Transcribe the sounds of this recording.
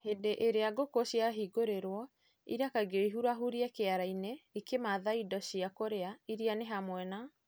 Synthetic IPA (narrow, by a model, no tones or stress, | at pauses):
hendeʔeɾeaɡokoɕiaɦiɡoɾeɾwɔ | ḭɾakaɡeiɦuɾaɦuɾiɛkeaɾaineikemaðaidɔɕiakoɾeaiɾianeɦamwɛna